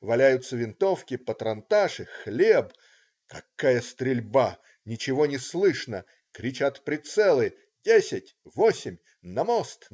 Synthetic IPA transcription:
vɐlʲæjʊt̪səvʲɪnt̪ofkʲɪpət̪ɾɐnt̪aʂɨxlʲeb | kɐkːajəst̪ɾʲɪlʲba | nʲɪt͡ɕɪvonʲɪslˠɨʂnə | kɾʲɪt͡ɕat̪pɾʲɪt̪sɛlˠɨ | dʲesʲɪtʲvosʲɪmʲ | nɐmost̪

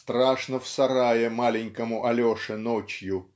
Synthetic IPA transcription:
st̪ɾaʂnəfsɐɾajɪmalʲɪnʲkəmʊʔɐlʲoʂɨnot͡ɕjʊ

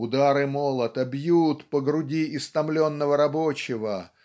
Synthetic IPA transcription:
ʊd̪aɾɨmolˠət̪əbjut̪pəɡɾʊdʲiɪst̪ɐmlʲo̞nːəvəɾɐbot͡ɕɪvə

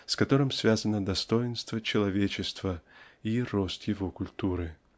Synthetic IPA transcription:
skɐt̪o̞ɾɨmsvʲazənəd̪ɐst̪o̞jɪnst̪vət͡ɕɪlˠɐvʲet͡ɕɪst̪vəirost̪jɪvokʊlʲt̪uɾɨ

